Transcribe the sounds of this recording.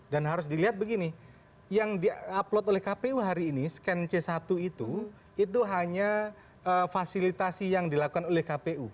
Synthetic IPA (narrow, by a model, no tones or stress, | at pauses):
danɦaɾʊs̬diliɦat̪̚bəɡini | jaŋdiaplɔt̪olɛhkapeuɦaɾiːniskɛnt͡ʃesat̪uit̪u | it̪̬uɦaɲa | əfasilit̪asijaŋdilakukanolɛhkapeʔu